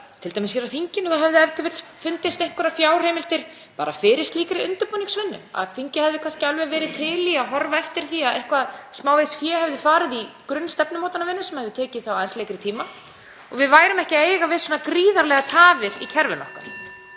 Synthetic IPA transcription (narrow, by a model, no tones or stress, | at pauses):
t̪ʰɪlt̪ajmsçɛɾawθiɲcɪnːʏxaðɦɛvðɪɛft̪ʏvɪɾfʏnt̪ɪst̪ejŋ̥kvʏɾafjaːwr̥heːjmɪl̥t̪ɪɾ̥ | paːɾafɪːɾɪst̪liːkaɾɪiʏnt̪ʏɾpɔniŋksvɪnːʏ̰ma̰θiɲcɪhɛvðɪkʰanscɪalvɛvɛːɾɪt̪ʰɪliaɦɔɾvaɛft̪ɪɾ̥θiaðehkvaðsmaːwvejsfjɛːhɛvðɪfaːɾɪðikɾʏnːst̪ɛpnʏmowt̪anavɪnːʏsɛmhɛvðɪʏt̪ʰɛːcɪθawajnstleːjkɾɪt̪ʰiːma | ɔɣvɪðvaːjɾʏmɛhcɪeːjɣavɪðsnːakɾiːðaɾlɛːɣat̪ʰaːvɪɾicʰɛɾvɪnɔ̰hkaɾ̥